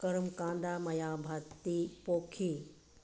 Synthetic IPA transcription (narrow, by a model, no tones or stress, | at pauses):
kɐɾmkãːnd̪aːmɐjaːbʱɐt̪ːipoːkʰiː